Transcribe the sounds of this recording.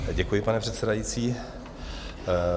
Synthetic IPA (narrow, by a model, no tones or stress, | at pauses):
ɟɛkujɪpanɛpr̝̥ɛt̪sɛdajit͡siː